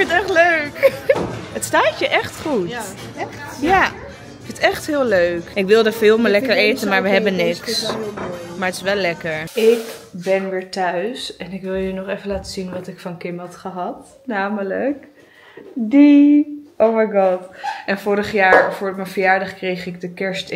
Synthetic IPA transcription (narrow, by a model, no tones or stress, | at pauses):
kfɪntɛχtløɥk | ətstaːtəʔɛχtχut | ja | fɪntɛχtɦɪːlˠøːkɪkʋɪlˠdəfɪːlˠməlɛkəɹejtənmaːɹʋəɦɛbənːɪks | maːɹətɪ̥sʋɛlːɛkəɹɪkbɛnʋɪːɹtœɥsɛnɪkʋɪlˠjənɔχefənlaːtəzinʋɑtɪkfɑnkɪmɑtχəɦɑt | naːmələk | diʔowmajɡɔtʔɛnfʊːɾəχjaːɹfʊːrmənfəjaːɹdɑχkrejχɪɡ̚dəkɛɹst